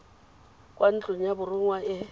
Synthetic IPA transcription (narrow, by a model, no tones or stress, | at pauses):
kʼwʔan̩t͡ɬʼʊn̩jabʊrʊŋwaɪ